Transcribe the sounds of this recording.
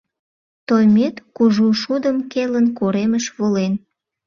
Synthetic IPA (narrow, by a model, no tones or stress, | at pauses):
t̪ojmet̪kuʒuʃud̪əmkelənkoɾeməʃβolen